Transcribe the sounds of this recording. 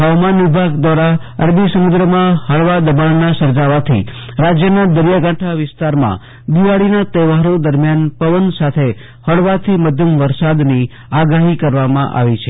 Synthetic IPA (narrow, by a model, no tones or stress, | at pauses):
ɦəʋamanʋibʱaɡd̪ʋaɾa | əɾd̪isəmud̪ɾəmãɦəɭʋad̪əbaɳnasəɾd͡ʒaʋat̪ʰḭɾad͡ʒjənad̪əɾjaɡãʈʰaʋɪst̪aɾmã̰ | d̪iʋaɭinat̪ɛʋaɾod̪əɾmjanpəʋənsat̪ʰe | həɭʋat̪ʰiməd̪ʱjəmʋəɾsad̪ni | aɡaɦikəɾʋamã̰ʔa̰ʋit͡ʃʰe